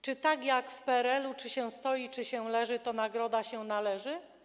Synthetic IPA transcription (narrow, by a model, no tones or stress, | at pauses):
t͡ʂɘt̪aɡjakfpɛɛɾɛlut͡ʂɘɕɛw̃st̪ɔjit͡ʂɘɕɛwlɛʐɘt̪ɔnaɡɾɔd̪aɕɛnalɛʐɘ